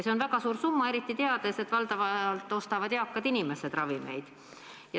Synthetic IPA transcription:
se̞onvæɡ̥ɑsuːɾsumːɑe̞ɾit̪ˑːit̪e̞ɑd̪̥e̞se̞t̪ːvɑld̪ɑvɑlt̪ːˑo̞st̪ɑvɑd̪̥jɑkːɑd̪inimesed̪̥rɑvime̞̰jd̪̥ | jɑ

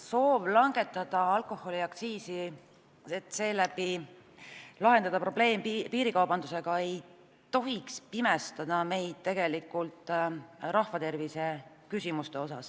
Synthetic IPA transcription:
so̞ːʋlɑŋɡ̥e̞t̪ːˑɑd̪̥ɑɑlkˑo̞ho̞liɑkt̪siːsi | et̪ːˑse̞ːlæbi | lɑɦe̞nd̪̥ɑd̪̥ɑpro̞b̥le̞ːmpiːɾikɑwbɑnd̪use̞ɡ̥ɑe̞j | t̪o̞ɦikspimest̪ɑd̪̥ɑme̞jd̪̥̚t̪e̞ɡ̥e̞likːˑult̪ˑɾɑhvɑt̪e̞rvise̞ | kysimust̪e̞o̞sɑs

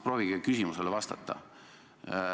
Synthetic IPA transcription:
pro̞ːviɡ̥ekysʲimuse̞levɑst̪ɑt̪ːˑɑ̰

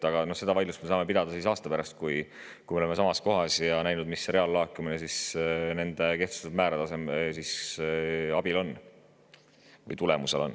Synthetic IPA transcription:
ɑɡ̥ɑno̞hse̞d̪ɑvɑjlust̪me̞sɑːme̞pid̪̥ɑd̪̥ɑsisɑːst̪ɑpæɾɑst̪̚kuj | kujmeoeme̞sɑmɑsko̞ɦɑsjɑnæjnud̪misre̞ɑlːɑːkːˑuminesisne̞nd̪̥e̞ke̞ht̪u̥sed̪̥mæːɾɑt̪ɑse̞mesis | ɑb̥ilo̞nː | vɤ̰jt̪ule̞muse̞lo̞̰nː

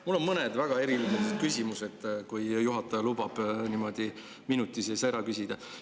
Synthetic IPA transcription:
mulːo̞nmɤned̪væɡ̥ɑe̞ɾiliseset̪kysʲimuse̞d̪̥kujjuɦɑt̪ːˑɑjɑlubɑb̥nimo̞d̪̥i | minut̪ːˑisejsɑeɾɑkysʲid̪̥ɑ

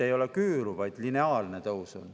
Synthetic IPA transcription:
e̞jo̞lekyːɾuvɑjd̪̥line̞ɑːlne̞t̪ɤusṵn

